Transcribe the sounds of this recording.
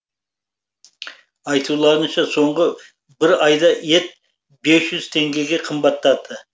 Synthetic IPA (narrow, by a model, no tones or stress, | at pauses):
ɑjt̪ʰulˠɑɾənʃɑso̞ɴʁə | bɪɾɑjd̪ɑje̞t̪̚ | be̞sʒ̥ʏz̥t̪ʰe̞ŋɡʲeɡʲe̞qʰəmbɑt̪ːɑd̪ə